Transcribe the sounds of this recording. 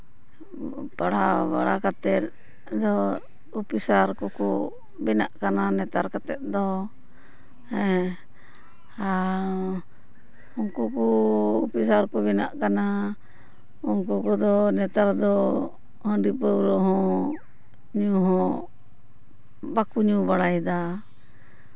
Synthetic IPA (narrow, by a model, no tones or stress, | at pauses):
paɽa̰ba̰ɽakat̪ɛt̪̚ | d̪ɔ | upisaɾkɔkɔ̰ | bɛnaʔkananɛt̪aɾkat̪ɛt̪̚ˀd̪ɔ | hɛ | a | unkukɔupisaɾkɔbɛna̰ʔkana | uŋkukɔd̪ɔnɛt̪aɾd̪ɔ | hə̃ɖipəwɾɔɦɔ̃ | ɲuɦɔ̃ | bakuɲũbaɽajd̪a